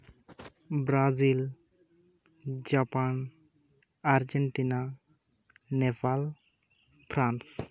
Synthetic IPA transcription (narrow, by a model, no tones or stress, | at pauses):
bɾazil | d͡ʒapan | aɾd͡ʒɛɳʈina | nɛpʰal | pʰɾans